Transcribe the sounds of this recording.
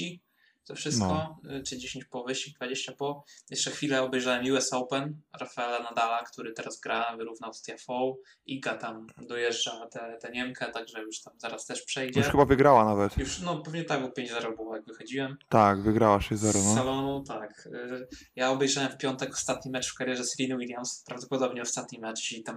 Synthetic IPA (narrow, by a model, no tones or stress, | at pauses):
i | t̪ɔfʂɘskɔt͡ʂɨd͡ʑeɕẽɲt͡ɕpɔvɘɕt͡ɕid̪vad͡ʑeɕt͡ɕapɔjɛʂt͡ʂɛxfʲilɛɔbɛjʐawɛmjuɛsɔwpɛnɾafaɛlanad̪alakt̪uɾɘt̪ɛɾazɡɾʔavɘɾuvnawst̪jafɔw | iɡat̪amd̪ɔjɛʐd͡ʐat̪ɛt̪ɛɲɛmkʰɛt̪aɡʐɛjuʂt̪amzaɾast̪ɛʂpʂɛjd͡ʑuɛʃxɘbavɘɡɾawanavɛt̪juʂnɔpɛvɲɛt̪aɡupʲjẽɲd͡ʑzɛɾɔbɨwɔjaɡvɘxɔd͡ʑiwɛmt̪akvɘɡɾawaʃɛzɛɾɔnɔːɛlɔnɔ̃t̪ak | jaɔbɛjʐawɛmfpʲjɔnt̪ɛkɔ̥st̪at̪ɲimɛt͡ʂfkaɾjɛʐɛsɾʲinɘwilʲjamspɾavd̪ɔpɔd̪ɔbɲɛɔst̪at̪ɲimɛt͡ʂit̪am